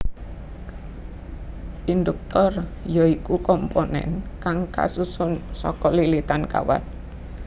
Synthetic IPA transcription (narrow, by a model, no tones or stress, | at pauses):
ʔind̪uk̚t̪ɔrjɔikukɔmponɛ̰nkaŋka̰susʊnsɔ̰kɔlilit̪anka̰wa̰t̪̚